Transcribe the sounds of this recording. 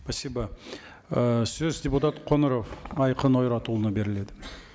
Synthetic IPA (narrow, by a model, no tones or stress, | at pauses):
pʰɑsːibɑ | əsɵzdʲeput̪at̪qʰo̞nəɾo̞fɑjqəno̞jɾɑt̪ulˠənəbe̞ɾɪle̞d̪ɪ